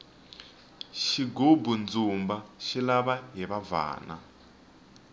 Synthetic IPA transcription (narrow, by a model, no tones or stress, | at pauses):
ʃiɡobund͡zumbaʃilaβaɦiβava̰ːna̰